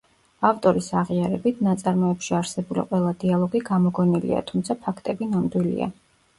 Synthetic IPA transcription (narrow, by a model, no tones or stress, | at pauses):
aft̪ʼɔɾisaʁiaɾɛbit̪ʰnat̪sʼaɾmɔɛpʃiaɾsɛbulḭqʼwɛlˠad̪ialˠɔɡiɡamɔɡɔnilḭa̰t̪ʰumt̪sʰapʰakʰt̪ʼɛbinamd̪wilḭa̰